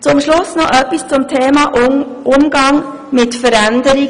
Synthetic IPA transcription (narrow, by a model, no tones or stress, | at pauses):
t͡sʊmʃlʊsnɔʔœpːist͡sʊmtʰeːmɑːʔ | ʔʊmɡ̥ɑŋ | mɪtfəɾændəɾi